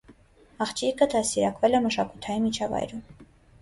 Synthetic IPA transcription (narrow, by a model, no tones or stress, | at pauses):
ɑχt͡ʃʰikəd̪ɑsiɾɑkvɛlɛməʃɑkut̪ʰɑjimit͡ʃʰɑvɑ̰jɾum